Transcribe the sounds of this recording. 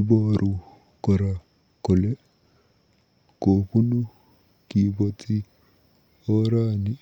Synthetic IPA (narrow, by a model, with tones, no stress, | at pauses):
bɔ˦ɾu˨ | kɔ˨ɾa˨ | ko˨le˦ | ko˨pu˦nu˦ | ki˨bɔ˨ti˦ | o˦ɾa˦ni˦